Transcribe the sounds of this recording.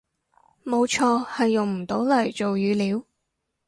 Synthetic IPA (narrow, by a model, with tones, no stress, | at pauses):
mo˨˧wt͡ʃʰɔː˧hɐ˨jːʊ˨ŋm̩˨˩t̪o˨˥wlɐ˨˩jt͡ʃo˨wjyː˨˧liː˨˧˥w